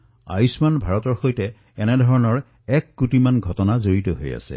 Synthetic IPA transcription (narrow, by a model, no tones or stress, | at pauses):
a̰jusmanbʱaɹɔtɔɹxojtɛ | ɛnɛdʱɔɹɔnɔɹ | ɛkːutimanɡʱɔtɔnazoɹitɔɦoja̰sɛ̰